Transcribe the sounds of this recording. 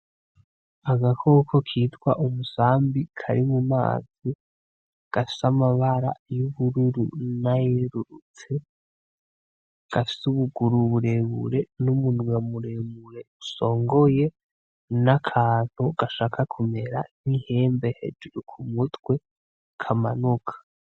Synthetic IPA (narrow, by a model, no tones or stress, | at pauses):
aɡakʰokʰo̞kʰiːtwa̰ʔumusaːmbikʰa̰ɾimuma̰ːz̥i | ɡ̥afi̥samaβaɾa̰juβuɾuɾṵnajeɾuɾut͡se̞ | ɡ̥afi̥suβuɡuɾuβuɾeβṵɾe̞numunwamuɾemuɾe̞uso̞ːŋɡo̞je̞ | nakʰaːn̥huɡ̥aʃaːkʰakʰume̞ɾa̰n̥ihe̞ːmbe̞he̞̰d͡ʒuɾukʰumutwe̞ | kʰamanukʰḁ